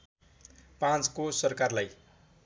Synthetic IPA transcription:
pãt͡skosʌrkarlaj

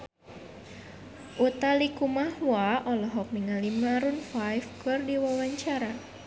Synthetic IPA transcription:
ʔut̪alikumahwaʔɔlɔɦɔk̚miŋalimaɾunfajfkɨrdiwawaɲt͡ʃaɾa

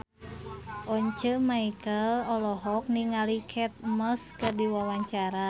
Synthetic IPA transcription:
ʔɔɲt͡ʃəmaikəlɔlɔɦɔk̚niŋalikʰɛt̪̚məskɨrdiwawaɲt͡ʃaɾa

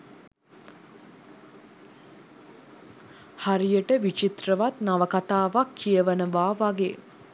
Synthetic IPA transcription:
haɾijəʈəʋit͡ʃit̪rəʋat̪naʋəkat̪aːʋakʰːijəʋənəʋaːʋaɡe

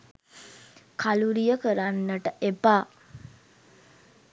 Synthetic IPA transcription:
kaluɾijəkəɾanːəʈəʔepaː

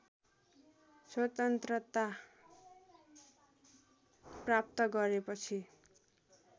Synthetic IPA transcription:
swʌt̪ʌnt̪rʌt̪a | prap̚t̪ʌɡʌɾepʌt͡sʰi

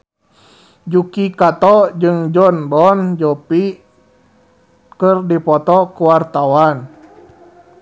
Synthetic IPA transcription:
d͡ʒukikat̪ɔd͡ʒɨŋd͡ʒɔnbɔnd͡ʒɔpi | kərdipɔt̪ɔkuwart̪awan

